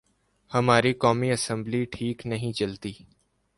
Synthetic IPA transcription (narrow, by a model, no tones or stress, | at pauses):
hɐmaːɾikɔːmiɐsə̃mbliʈʰiːknɐɦĩt͡ʃɐlt̪iː